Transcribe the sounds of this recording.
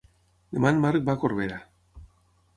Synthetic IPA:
emanmark̚bakoɾβeɾa

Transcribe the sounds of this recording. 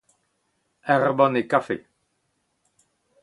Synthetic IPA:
ɛʁbɔ̃nekafḛ

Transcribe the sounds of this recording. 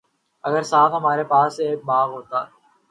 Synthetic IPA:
ɐɡəɾsaːt̪ɦɐmaːɾepaːseːk̚baːɣɦoːt̪aː

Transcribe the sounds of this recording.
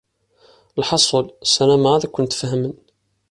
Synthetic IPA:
lħɑsˤəlsælæmaðækʷːʊnt̪fhəmən

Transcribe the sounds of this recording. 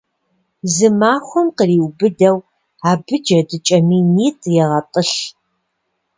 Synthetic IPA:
zɨmaːxʷʊmqəriːwbɨdɐw | aːbɨd͡ʒɐdɨt͡ʃʼɐmiːniːtʼjɛʁɐtʼɨɬ

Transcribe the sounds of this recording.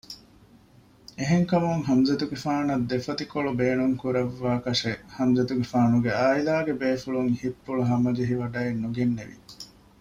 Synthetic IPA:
eɦeŋkɐmuŋɦɐmzɐt̪uɡefaːnɐd̪ːefɐt̪ikoɭubeːnuŋkuɾɐʋːaːkɐʃehɐmzɐt̪uɡefaːnuɡeaːilaːɡebeːfuɭuŋhipːuɭuɦɐmɐd͡ʒeɦiʋɐɖɐenːuɡenːeʋḭ

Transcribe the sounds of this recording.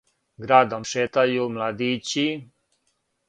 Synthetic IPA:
ɡɾaːd̪omʃeːt̪ajumlad̪iːt͡ɕi

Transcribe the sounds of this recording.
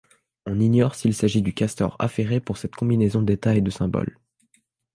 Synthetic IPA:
ɔ̃ninjɔʁsilsaʒid̪ykʲast̪ɔ̰ʁa̰feʁepuʁsɛt̪kɔ̃binezɔ̃d̪et̪aed̪əsɛ̃bɔ̰l

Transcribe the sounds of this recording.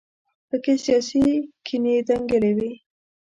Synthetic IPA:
pəkesijɑsikʰined̪aŋɡelewi

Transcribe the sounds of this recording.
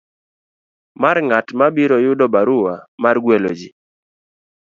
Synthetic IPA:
maɾŋatmabiɾɔjʊdɔbaɾʊwamarɡwɛlod͡ʒi

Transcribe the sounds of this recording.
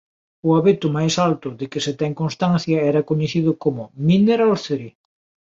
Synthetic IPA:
ʊaβet̪ʊmajsalt̪ʊðɪkɪset̪ɛŋkonst̪anθjɐɛɾɐkoɲeθiðʊkomʊmineɾolθeɾi

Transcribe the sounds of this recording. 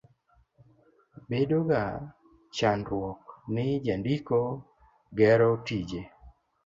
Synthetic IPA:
bedoɡa | t͡ʃanɾwɔknɪd͡ʒandiko | ɡɛɾɔtid͡ʒe

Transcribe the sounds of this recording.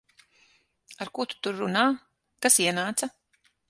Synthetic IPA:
aɾkut̪u̥t̪uɾːunaː | kasiɛnaːt̪sa

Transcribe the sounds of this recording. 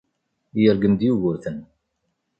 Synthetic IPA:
jəɾɡəmd̪juɣʊɾθən

